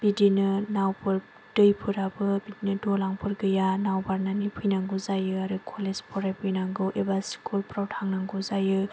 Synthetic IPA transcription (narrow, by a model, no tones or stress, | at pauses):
b̥idinɯnawpʰɯɾ | dɯjpʰɯɾabɯbidinɯdolaŋpʰɯɾɡɯjanawbaɾnanipʰɯjnaŋɡuzajɯaɾɯkʰolezpʰɔɾapʰɯjnaŋɡɯwʔebasi̥kulpɾawtʰaŋnaŋɡuzajɯ